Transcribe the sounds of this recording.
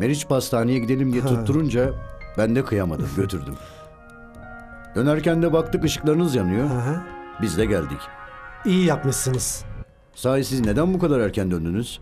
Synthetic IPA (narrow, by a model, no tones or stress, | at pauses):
me̞ɾit͡ʃpast̪ʰaːnijaɟid̪e̞lʲimd̪ijɛt̪ʰut̪ːuɾund͡ʒabænd̪ɛkʰɯjamad̪ɯ̰mɟø̞t̪ʰyɾd̪ym | d̪ø̞næɾcænd̪ɛbak̚t̪ʰɯkɯʃɯ̥klˠaɾɯnɯzjanɯjobizd̪ɛɟælʲd̪icijijapmɯʃsɯniz̥ | saːjisizne̞d̪ænbukʰad̪aɾæɾcʰænd̪ønd̪ynyz̥